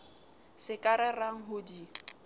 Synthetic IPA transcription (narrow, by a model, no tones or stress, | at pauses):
sɪkʼaɾɛraŋ̩ɦʊdi